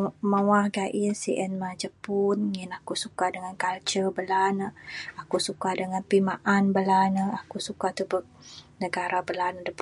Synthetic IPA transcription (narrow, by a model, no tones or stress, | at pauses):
mawahɡaʔinsiʔɛnmad͡ʒəpunŋinakusukadəŋankalt͡ʃəbəlanəakusukadəŋanpimaʔanbəlanəakusukat̪ubək̚nəɡaɾabəlanədəp